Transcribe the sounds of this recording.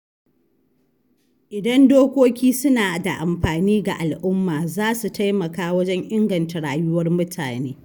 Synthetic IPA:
ʔɪ˨dɐ˦ndoː˦kʷoː˦kʲiː˦sʊ˦naː˨da˨ʔa˨mɸaː˨niː˦ɡa̰˨ʔa˨lʔʊ˦mːaː˨zaː˦su˨ta˦jmɐ˨kaː˦wɐ˦d͡ʒɛ˦ŋʔɪ˦ŋɡɐ˨nta˨ɽaː˨jʊ˦wɐ˦rmʊ˦tʰa̰ː˨neː˦

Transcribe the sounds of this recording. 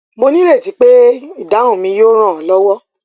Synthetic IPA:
mo˧nĩ˦ɾe˦˨ti˨˦k͡pe˦i˦˨da˨˦ũ˦˨mĩ˧jo˦ɾ̃ã˦˨ɔ˨lɔ˦wɔ˦

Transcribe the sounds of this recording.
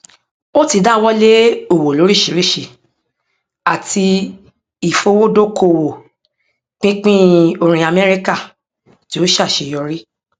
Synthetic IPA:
o˦ti˧da˦wɔ˦le˦o˨wo˨lo˨˦ɾi˦˨ʃi˨ɾi˦˨ʃi˨ | a˨tʰi˧ | i˨fo˧wo˦do˦kʰo˧˨wo˨ | k͡pĩ˦k͡pĩ˦o˧ɾ̃ĩ˨a˨mɛ˦ɾi˦ka˦˨ | ti˨˦o˦ʃa˦˨ʃe˧˨jɔ˧ɾi˦

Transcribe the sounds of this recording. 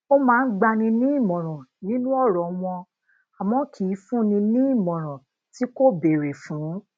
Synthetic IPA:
o˦mãː˦˧n̩˦ɡ͡ba˧nĩ˧nĩ˦i˦˨mɔ̃˨ɾ̃ɔ̃˨nĩ˦nũ˦ɔ˦˨ɾɔ˨˦w̃ɔ̃˧ | a˨mɔ̃˨˦kʰi˨˦fũ˦nĩ˧nĩ˦i˦˨mɔ̃˨ɾ̃ɔ̃˨ | ti˦ko˦˨be˨ɾe˨fũ˨˦

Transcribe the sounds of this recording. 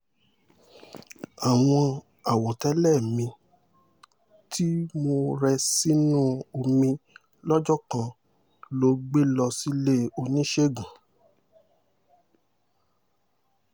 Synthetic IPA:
a˨w̃ɔ̃˧ | a˨wɔ˨tɛ˨˦lɛ˦˨mĩ˧ | tʰi˦mo˧ɾɛ˧si˦nũ˦o˧mĩ˧ | lɔ˦d͡ʒɔ˦˨kã˧ | lo˧˦ɡ͡be˦lɔ˧si˦le˦o˧nĩ˦ʃe˦˨ɡũ˨

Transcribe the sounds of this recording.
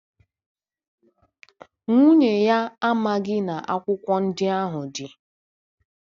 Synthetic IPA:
ŋʷu˦ɲe˨ja˦a˦ma˦ɡɪ˦na˨ʔa˦kʷʊ˦kʷɔ˦n̩˦dɪ˦a˦ɦʊ˨dɪ˨

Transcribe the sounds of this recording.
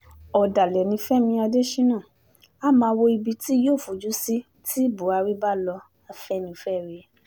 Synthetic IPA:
ɔ˨da˨lɛ˨nĩ˧˦fɛ˦mĩ˧a˧de˦ʃĩ˦nãː˦˨ | a˦mãː˧wo˧i˧bi˧ti˦joː˦˨fu˨d͡ʒu˨˦si˦ | tʰi˦bu˨˦a˧ɾi˦ba˦˨lɔ˧ | a˧fɛ˦nĩ˧fɛ˦˨ɾe˧˦

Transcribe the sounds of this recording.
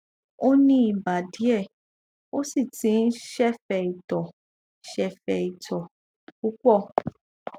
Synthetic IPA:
o˦nĩ˦i˦˨ba˨di˨˦ɛ˦˨ | o˦si˦˨tĩ˨˦n̩˦ʃɛ˦fɛ˨i˨tɔ˨ | ʃɛ˨fɛ˨i˨tɔ˨ | ku˦k͡pɔ˦˨

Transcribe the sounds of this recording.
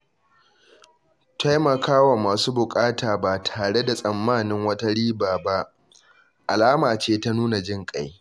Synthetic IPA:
ta˦jmɐ˨kʰaː˦wa˨maː˨suː˦bʊ˨kʼaː˦taː˨ba˨tʰaː˨ɽe˦da˨sʼɐ˨mːaː˦˨nɪ˦ŋwɐ˦ta˦ɽiː˦baː˨ba˦ʔ | ʔa˨laː˦maː˨t͡ʃeː˦ta˦nuː˦na˨d͡ʒɪ˦ŋkʼa˦j

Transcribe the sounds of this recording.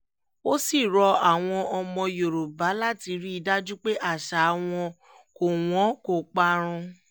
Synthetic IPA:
o˦si˦˨ɾɔ˧a˦˨w̃ɔ̃˧ʔɔ˧mɔ̃˧jo˨ɾo˨ba˨˦la˦˨ti˧˦ɾi˦i˧da˦d͡ʒu˦k͡pe˦ʔa˦˨ʃa˨˦w̃ɔ̃˧ | ko˨w̃ɔ̃˨˦ko˨k͡pa˧ɾ̃ũ˧

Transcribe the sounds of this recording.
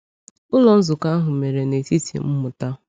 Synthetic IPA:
ʊ˦lɔ˨n̩˦zʊ˨ka˦ɦʊ˨me˨ɾe˨ne˨ti˦tḭ˨m̩˦mʊ˨ta˦

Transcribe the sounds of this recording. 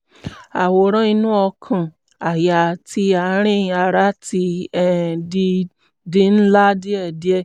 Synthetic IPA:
a˨wo˨ɾ̃ɔ̃˦ĩ˧nũ˦ɔ˧kʰã˨ | a˨ja˨ti˧a˨˦ɾ̃ĩ˦˧a˨ɾa˨˦ti˧ɛ˦˨di˧ | di˧˦n̩˦la˦di˦ɛ˦˨di˦ɛ˦˨

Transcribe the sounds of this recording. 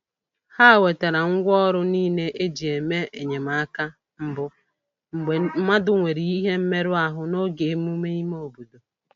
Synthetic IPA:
ha˦˨we˨ta˨ɾa˨ŋ̩˦ɡʷɔ˦ɾʊ˦niː˦ne˦ʔe˦d͡ʒi˨e˨me˦e˨ɲe˨ma˨a˦ka˦ | m̩˦bʊ˦ | ŋ͡m̩˨e˨˦ma˦dʊ˨ŋʷe˨ɾi˨i˦ɦe˦m̩˦me˦ɾʊ˦a˨ɦʊ˦no˦ɡe˨˦mu˦me˦i˦m˦o˨bo˨do˨

